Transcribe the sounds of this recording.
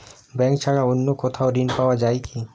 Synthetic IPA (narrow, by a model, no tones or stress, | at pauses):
bɛ̃ːkt͡ʃʰaɽaʊnːokot̪ʰaoɾinpaːwad͡ʒaːiki